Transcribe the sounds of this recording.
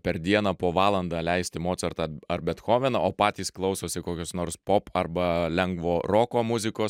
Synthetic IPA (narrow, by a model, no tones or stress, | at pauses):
pʲɛɾd̪ʲiɛnɑːpoːʋɑːlˠɐnd̪ɑːlʲɛɪsʲt̪ʲɪmoːt̪sɐɾt̪ɑɐɾbʲɛt̪xoːʋʲɛnɐoːpɑːt̪ʲiːsklˠɐʊsoːsʲɪkoːkʲoːsnoːɾspopʰɐɾbɐlʲɛŋɡʋoːɾoːkoːmʊzʲɪkoːs